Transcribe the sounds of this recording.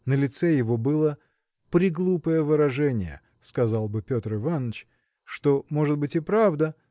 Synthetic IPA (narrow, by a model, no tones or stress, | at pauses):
nəlʲɪt̪sɛjɪvo̞bɨlˠə | pɾʲɪɡlˠupəjəvɨɾɐʐɛnʲɪ̰jə̰ | skɐzɑlˠbɨpʲo̞t̪rɪvanːət͡ɕ | ʂt̪o̞mo̞ʐɨt̪̚bɨtʲɪpɾavd̪ə